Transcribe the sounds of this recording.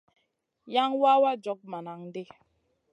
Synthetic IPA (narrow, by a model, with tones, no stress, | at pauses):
ja˦ŋwa˦wa˦d͡ʒɔ˨˦k̚ma˨na˨ŋde˦